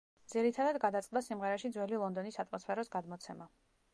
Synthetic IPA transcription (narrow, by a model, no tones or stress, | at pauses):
d̪z̥iɾit̪ʰad̪ad̪ɡad̪at̪sʼqʼd̪asimʁɛɾaʃid̪zwɛlilˠɔnd̪ɔnisat̪ʼmɔspʰɛɾɔsɡad̪mɔt̪sʰɛma